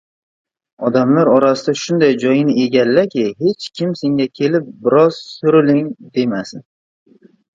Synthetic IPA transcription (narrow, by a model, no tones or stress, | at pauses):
ɒd̪amlaɾɒɾasɪd̪aʃʊnd̪ajd͡ʒɒjɪnɪʔe̞ɡʲalːakʲɪhe̞t͡ʃkʲʰɪmse̞ŋɡʲakʲʰe̞lɪp̚bɪɾɒz̥sʊɾɪlɪŋd̪e̞masɪn